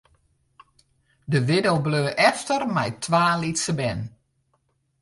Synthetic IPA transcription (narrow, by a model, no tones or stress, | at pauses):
dəʋɪdəwbløːʔɛftərmɛjtʰʋaːlitsəbɛn